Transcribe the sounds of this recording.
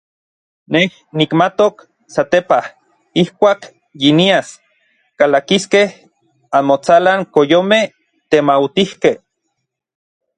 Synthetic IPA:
neh | nikmat̪ok | sat̪epah | ihkʷaːk | jinias | kalakiskeh | anmot͡salaŋkojomeh | t̪emawt̪ihkeh

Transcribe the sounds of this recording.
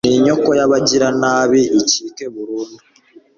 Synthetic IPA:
niɲo̞kojaβaɟiɾanaːβiːciːkeβuɾuːndu

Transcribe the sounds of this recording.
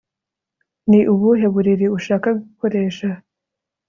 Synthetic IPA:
niʔuβuɦe̞βuɾiɾiuʃaːkaɡuko̞ɾe̞ːʃa

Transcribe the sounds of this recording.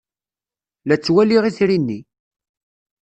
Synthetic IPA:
læt͡sːwæliʁiθɾinːi

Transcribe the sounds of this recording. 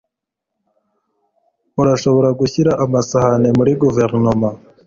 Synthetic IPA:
uɾaʃo̞βo̞ɾaɡuçiɾaʔamasahane̞muɾiɡuve̞ɾnoma

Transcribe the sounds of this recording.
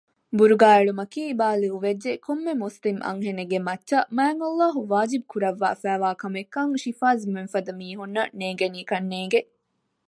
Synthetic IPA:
buɾuɡaːeɭumɐkiːibaːliuʋed͡ʒːekʰomːemuslimʔɐ̰ŋɦeneɡemɐt͡ʃːʃɐmæːŋɐlːaːɦuʋaːd͡ʒib̚kuɾɐʋːa̰ːfæːʋaːkɐmekːɐŋʃifaːzmenfɐd̪ɐmiːɦunːɐneːŋɡeniːkɐnːeːŋɡe

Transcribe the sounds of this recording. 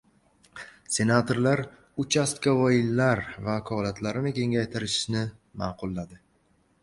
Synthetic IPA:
se̞nat̪ʰoɾlaɾ | ʊt͡ʃʰast̪kʲavɒjɪlːaɾvakʰɒlat̪ʰlaɾɪmɪkʲʰe̞ŋɡʲajt̪ʰɪɾɪʃɪ̥ʃnɪ | maqʰʊlˠːad̪ɪ

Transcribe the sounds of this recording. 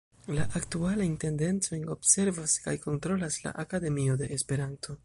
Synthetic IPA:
laʔaktualajnte̞nde̞nt͡so̞jno̞bse̞ɾvaskajko̞ntɾo̞lasla̰ʔakade̞mio̞de̞ʔespe̞ɾantʰo̞

